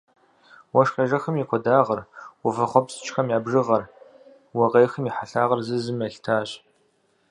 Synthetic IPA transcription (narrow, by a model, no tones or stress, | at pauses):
wɔʂxʲɐʒɐxɐmikʷʰɔdaːʁɐrwʊfɐχʷɔpst͡ʃʼxɐmjaːbʒɨʁɐr | wɐʁeːxəmiħaɬaːʁɐrzɨzɨmɐɬtʰaːɕ